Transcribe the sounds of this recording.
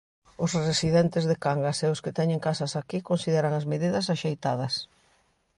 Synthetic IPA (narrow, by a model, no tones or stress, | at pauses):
ʊsrresiðɛnt̪ɪzðekaŋɡaseʊskɪt̪ɛɲɪ̃ŋkasɐsakikonsiðɛɾɐaŋazmeðiðɐs̬aʃejt̪að̞ɐs